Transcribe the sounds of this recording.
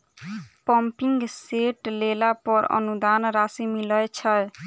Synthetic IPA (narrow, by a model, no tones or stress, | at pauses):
pɔmpiŋɡseʈlelapɔɾʌ̰nud̪anɾasimiləjt͡ʃʰəj